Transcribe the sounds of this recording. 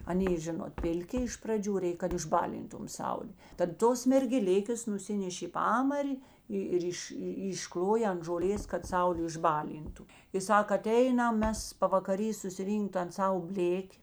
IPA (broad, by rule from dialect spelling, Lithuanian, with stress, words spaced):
ɐˈnʲeː ˈʒʲɪnoːt ˈpʲɪlʲˌkʲɪ ɪʃ prɐˈd͡ʒʲuː ˈrʲɛɪk ɪʒˈbɑːlʲɪntʊm ˈsɐʊlʲeː tɐt ˈtoːs mʲɛrʲɡʲɛˈlʲɪkʲeːs nʊˈsʲɪnʲɛʃʲ ɪ ˈpɑːmɐrʲɪ ˈɪ ɪr ˈɪʃ ɪʃˈklˠoːjɛ ɐnt ʒoːˈlʲeːs kɐt ˈsɐʊlʲeː ɪʒˈbɑːˌlʲiːntʊ ɪ ˈsɐk ɐˈtʲɛɪnɐm ˈmʲɛs pɐʋɐkɐˈrʲiː sʊsʲɪˈrʲiːŋkt tɐn ˈsɑːʋoː ˈbʲlʲeːkʲɪ